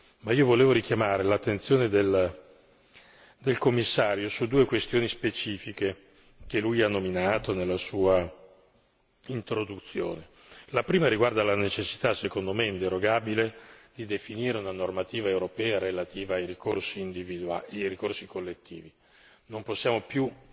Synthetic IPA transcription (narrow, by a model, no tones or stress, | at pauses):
maiːovoleːvoɾikjamaːɾelat̪ːent̪sjoːned̪el | d̪elkomːisːaːɾjosud̪ːuːekwest̪joːnispet͡ʃiːfike | kelujanːominaːt̪onelːasuːa | int̪ɾod̪ut̪sːjo̰ːne | lapɾiːmaɾiɡward̪alanet͡ʃesːit̪asekond̪omeint̪eɾoɡaːbiled̪id̪efiniːɾeunanormat̪iːvaewɾopɛːaɾelat̪iːvaːjɾikorsiːnd̪ivid̪uaaɾikorsikʰolːet̪ːḭːvi | nomposːjaːmopju